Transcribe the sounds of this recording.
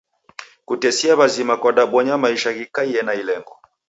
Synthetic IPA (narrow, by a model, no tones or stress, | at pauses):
kutɛsiaβazimakɔɗaɓwɔɲamaiʃaɣikaiɛnailɛŋɡɔ